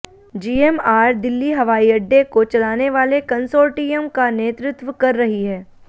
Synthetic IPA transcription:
d͡ʒiːemaːɾd̪ɪlːiɦɐʋaːiɐɖːekot͡ʃɐlaːneʋaːlekɐnsoːɾʈijəmkaneːt̪ɾʊt̪ʋəkɐɾːɐɦiɦɛː

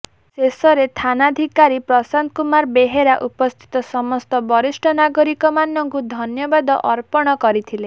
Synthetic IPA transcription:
sesɔɾet̪ʰanad̪ʱikaɾipɾɔsand̪̚kumaɾbeɦeɾaʔupɔst̪ʰi̥t̪ɔsɔmɔst̪ɔbɔɾisʈʰɔnaɡɔɾikɔmanɔŋkud̪ʱɔnjɔbad̪ɔʔɔɾpɔɽ̃ɔkɔɾit̪ʰile

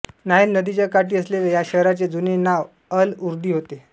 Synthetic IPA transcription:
nainːəd̪it͡ɕjakaʈiːəslelejaɕəɦɾat͡sed͡zunenaʋ | əluɾd̪ʱiːɦot̪e

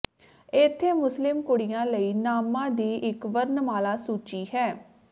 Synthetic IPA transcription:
ɪt̪ʰːeːmʊslɪmkʊɽɪjãːləiːnaːmãːd̪iːʔɪkʋəɾnəmaːlaːsuːt͡ʃiːɦɛː

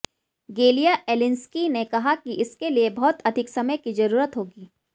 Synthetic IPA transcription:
ɡeːlijaʔɛlɪ̃nskinekɐɦakiʔɪskeliebɔɦt̪ɐd̪ʱɪksɐməjkizɐɾuːɾət̪ɦoːɡiː

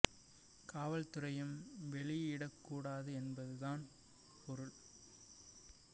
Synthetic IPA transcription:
kaːʋɐlt̪ɯɾɐjɯmʋɛɭɪɪɽɐkːuːɽaːðɯɛnbɐðɯðaːn | pɔɾɯɭ

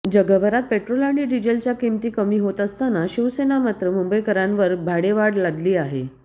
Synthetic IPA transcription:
d͡ʑəɡəbʱəɾat̪̚peʈɾolaɳɖiːɖid͡ʑəlt͡ɕjakimt̪iːkəmiːɦot̪əst̪anaɕiʋsenamat̪ɾəmumbəjkəɾãnʋəɾbʱaɽeʋaɽlad̪liːaɦḛ

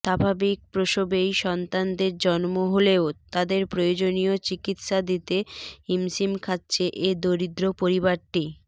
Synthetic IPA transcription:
ʃabʱabik̚pɾoʃobejʃɔnt̪and̪eɾd͡ʑɔnmoɦoleot̪ad̪eɾpɾojod͡ʑonijot͡ɕikit̪ʃad̪it̪eimsimkʰat̪ːɕʰeʔed̪oɾid̪ɾopoɾibaɾʈi

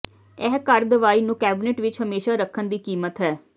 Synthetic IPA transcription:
ɛːɦkəɾd̪əʋaːiːnũːkɛːbɪneʈʋɪt͡ʃɦəmeːʃaːɾəkʰːənd̪iːkiːmət̪ɦɛː

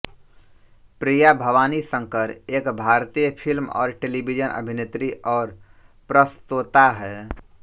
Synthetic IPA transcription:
pɾiːjabʱəʋaːnisə̃ŋkəɾeːkbʱaːɾt̪iːjəpʰilmɔ̰ːɾʈeːlibid͡ʒənʔə̰bʱɪnet̪ɾiʔɔːɾ | pɾəst̪ot̪aɦɛː

